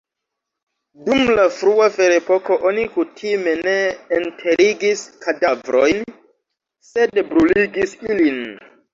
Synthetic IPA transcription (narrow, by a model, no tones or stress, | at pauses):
dumlafɾuafe̞ɾepo̞ko̞ʔo̞nikutʰime̞ne̞ːntʰe̞ɾiɡiskʰadavɾojn | se̞dbɾuliɡisilin